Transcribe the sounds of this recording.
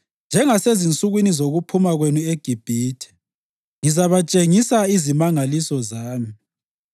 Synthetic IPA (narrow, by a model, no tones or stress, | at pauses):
nd͡ʒʱɛŋasezint͡sʼuɣwinizoɣupʰumaɣwenueɡ̥ʱib̥ʱiːtʰɛ̥ | ŋizaβat͡ʃʼeŋisaizimaŋalisɔzaːmi